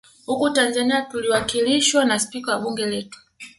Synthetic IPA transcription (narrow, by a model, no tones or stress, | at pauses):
hukutanzaniatuliwakiliʃwanaspikawaɓuŋɡɛlɛtu̥